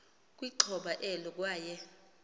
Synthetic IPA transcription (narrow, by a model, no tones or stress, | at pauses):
k̬ʼwiǃʰɔɓaʔɛlɔk̬ʼwaːjɛ